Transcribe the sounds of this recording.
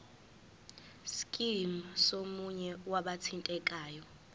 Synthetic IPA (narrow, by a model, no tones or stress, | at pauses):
skʼimsomuɲɛwaɓatʰintʼɛkʼaːjɔ